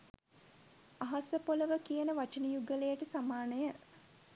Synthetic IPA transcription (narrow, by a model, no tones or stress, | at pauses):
aɦasəpoləʋəkijənəʋat͡ʃənəjuɡəlejəʈəsamaːnəjə